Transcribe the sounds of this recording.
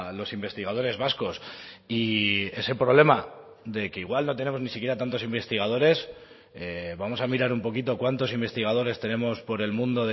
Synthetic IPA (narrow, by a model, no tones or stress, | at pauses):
lo̞simbe̞st̪iɣað̞o̞ɾe̞zβasko̞s | ie̞se̞pɾo̞β̞le̞ma | ðe̞ke̞iɣwalno̞t̪̬e̞ne̞mo̞znisikje̞ɾat̪ant̪o̞simbe̞st̪iɣað̞o̞ɾe̞s | eβamo̞samiɾaɾumpo̞kit̪o̞kwant̪o̞simbe̞st̪iɣ̞að̞o̞ɾe̞st̪e̞nẽ̞mo̞spo̞ɾe̞lmũnd̪o̞ðe